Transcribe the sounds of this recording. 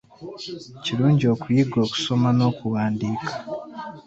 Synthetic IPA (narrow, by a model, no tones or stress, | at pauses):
ciɾuːɲɟio̞ːkujiɡo̞ːku̥so̞mano̞ːkuβaːndiːkʰḁ